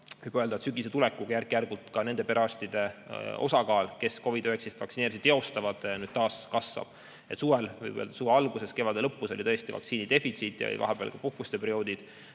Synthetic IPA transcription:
vɯjb̥øld̪ɑet̪syɡiset̪ulekˑːuɡ̥ɑjærkːˑijærɡult̪ˑkɑne̞nd̪e̞pe̞ɾɑst̪id̪̥e̞o̞̰sɑkɑːlke̞sko̞vid̪øeksist̪vɑksineːɾisid̪e̞o̞st̪ɑvɑd̪̥nyːd̪̥̚t̪ɑːskɑsvɑ̰b̥ | e̞t̪suːvelvɤ̰jbø̰ld̪̥ɑsuːveɑlɡuse̞ske̞vɑd̪e̞lɤpːˑuso̞lʲit̪ɤ̞e̞st̪ivɑ̰k̪siːnid̪̥e̞fit̪sit̪ːˑjɑ̰o̰lḭvɑ̰ɦeb̥eɑ̰lkɑpuhkust̪e̞peɾio̞ːd̪̥id̪̥

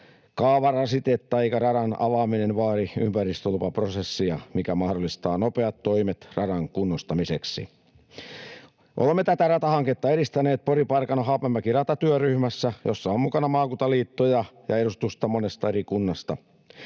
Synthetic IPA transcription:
kɑːʋɑrɑsit̪et̪t̪ɑɑikɑrɑɾɑnɑ̰ʋɑːminenʋɑːriympærist̪olupɑprosesːiɑmikæmɑhdolːˑist̪ɑːnopeɑt̪toimet̪rɑɾɑŋkunːost̪ɑmiseksḭ | ʔo̰lemːet̪æt̪ærɑt̪ɑhɑŋket̪ːɑeɾist̪æneːt̪̚poripɑrkɑnɑɦɑːpemːækirɑt̪ɑt̪yøryhmæsːæjosːɑommukɑnɑmɑːkut̪ɑliːt̪ːojɑjɑeɾust̪ust̪ɑmonest̪ɑeɾikunːɑst̪ɑ

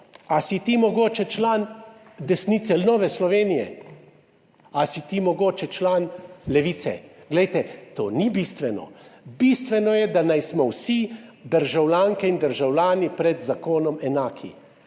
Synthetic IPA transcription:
asit̪imɔɡoːt͡ʃɛt͡ʃlaːnd̪ɛsnit̪sɛlnɔʋɛslɔʋeːnijɛ̰ | asit̪imɔɡoːt͡ʃɛt͡ʃlaːnlɛʋiːt̪sɛ̰ɡ̥lɛjt̪ɛt̪o̰ːnibist̪ʋɛnɔ̰bist̪ʋɛnɔjɛd̪anajsmɔwsid̪əɾʒawlʲaːŋkɛind̪əɾʒawlʲaːnipɾɛd̪zakoːnɔmɛnaːkʰḭ

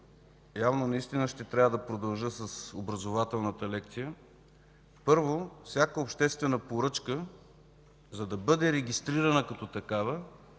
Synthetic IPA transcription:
javnonɐist̪inəʃt̪ɛt̪ɾʲavəd̪ɐpɾod̪ɐlˠʒɤsɐsobɾɐzovat̪ɛlˠnət̪əlɛkt̪sijə | pɤɾvofsʲjakəopʃt̪ɛst̪vɛnəpoɾɤt͡ʃkə | zɐd̪ɐbɤd̪ɛɾɛɡʲist̪ɾiɾɐnəkɐt̪ɔt̪ɐkavə

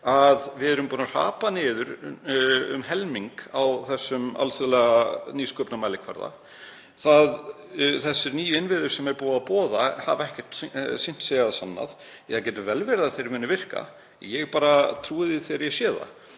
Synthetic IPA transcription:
aðvɪðɛɾʏmpuːnar̥a̰ːpanɪːðʏɾ | ʏ̰mɦɛlmiŋkawθɛsːʏma̰lsœðlɛɣaniːskœːpnamaːjlɪkʰva̰ɾða̰ | θað | θɛsːɪɾniːjʏɪnvɪðʏɾ̥sɛmɛɾpɔːðapɔːðahavɛhcɛr̥t̪sɪn̥t̪sɛːɣaðsanːa̰ð | aðcɛːt̪ʏvɛlvɛɾðaðθejɾmɪːnːɪvɪr̥ka̰ | jɛɣpaːɾat̪ʰɾuːɪðɪθeːɾjɛsjɛːða̰

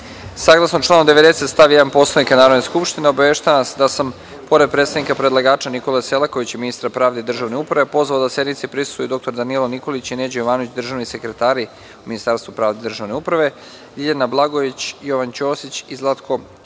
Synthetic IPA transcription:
saːɡlˠasnot͡ʃlˠaːnomd̪eʋe̞d̪e̞set̪st̪aʋijed̪anpo̞slˠanikanaːɾod̪neskupʃt̪ineo̞baʋeːʃt̪aanasd̪asam | po̞ɾe̞d̪̚pɾet̪sad̪nikapɾe̞d̪lˠaɡaːt͡ʃaniko̞leselˠako̞ʋit͡ɕiminist̪ɾapɾaːʋd̪eid̪r̩ʒaʋne̞upɾaʋepo̞zʋaod̪asje̞d̪nit̪sipɾisu̥t̪ujud̪o̞k̚t̪oɾd̪anieloniko̞lit͡ɕineːd͡ʑojoʋaːno̞ʋit͡ɕd̪r̩ʒaʋnise̞kɾet̪aːɾi | uminist̪aːɾst̪ʋupɾaːʋd̪ed̪r̩ʒaʋneupɾaʋe̞ | d̪iʎanablˠaɡo̞ʋit͡ɕjo̞ʋant͡ɕo̞ːsit͡ɕizlˠat̪kʰo

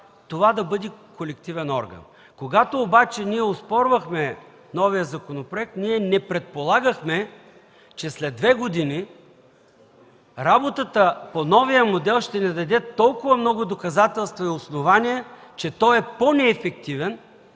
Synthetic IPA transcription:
t̪ovad̪ɐbɤd̪ʲikolɛkt̪ivɛnɔ̰ɾɡə̰n | koɡat̪oːbat͡ʃɛniɛospɔɾvɐxmɛ | nɔvijəzɐkonopɾoɛk̚t̪niɛnɛpɾɛt̪̚polˠaɡəxmɛ | t͡ʃɛslɛd̪ːvɛɡod̪ini | ɾabot̪ət̪əponɔvijəmod̪ɛlˠʃt̪ɛnɛd̪ɐd̪ɛt̪ɔlˠkʊvɐmnɔɡʊd̪okɐzat̪ɛlˠst̪vɐiosnovanʲiɛt͡ʃɛt̪ɔɛponɛːfɛk̚t̪ivɛn

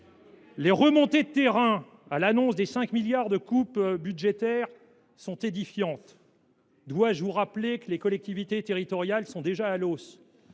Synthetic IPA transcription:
leʁəmɔ̃t̪ed̪t̪eʁɛ̃ | alanɔ̃sd̪esɛ̃kmiljaʁd̪əkupbyd̪ʒet̪ɛʁ | sɔ̃t̪ed̪ifjɑ̃t̪ | d̪waʒvuʁaplekəlekɔlɛk̚t̪ivit̪et̪eʁit̪ɔʁjalsɔ̃d̪eʒaːlos

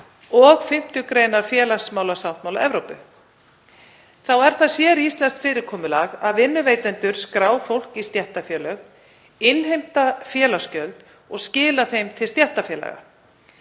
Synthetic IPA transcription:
ɔɣfɪm̥t̪ʏkɾeːjnaɾ̥fjɛːlasmaːwlasawt̪mawla̰ʔɛvɾowpʏ | θawɛɾ̥θasjɛɾist̪lɛnst̪fɪːɾɪɾkʰɔːmʏlaɣaðvɪnːʏveːjt̪ɛnt̪ʏɾ̥skɾaːwfowl̥kist̪jɛht̪afjɛːlœɣ | ɪnɦejm̥t̪afjɛːlascœlt̪ | ɔɣscɪːlaθejmt̪ʰɪlst̪jɛht̪afjɛːla̰ɣa̰

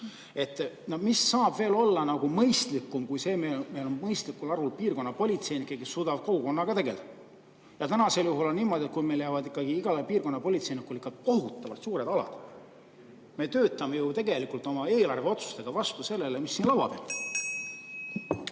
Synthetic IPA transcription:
e̞t̪ːˑnomisːɑːbve̞ːlo̞lːɑnɑɡ̥umɤjst̪likːˑumkujse̞ːmeme̞jlo̞nmɤjst̪likːˑulɑɾulpiːrko̞nːɑpo̞lʲit̪se̞jnikːˑekesːuːd̪ɑb̥ko̞ɡuko̞nːɑɡ̥ɑt̪e̞ɡe̞ld̪̥ɑ | jɑt̪ænɑseljuɦuloniːmo̞d̪̥ʲelkujme̞jljæːvɑd̪ikːˑɑɡ̥iiɡ̥ɑlɑpiːrko̞nːɑpo̞lʲit̪se̞jnikːulikːˑɑt̪ko̞ɦut̪ːˑɑvɑ̰lt̪suːɾe̞d̪ɑlɑ̰d̪̥ | me̞t̪øːt̪ːˑɑme̞jut̪e̞ɡe̞likult̪ˑo̞mɑe̞ːlɑrve̞o̞t̪su̥st̪e̞ɡ̥ɑvɑst̪use̞lːe̞le̞misːiːnlɑvɑ̰d̪̥e̞̰l

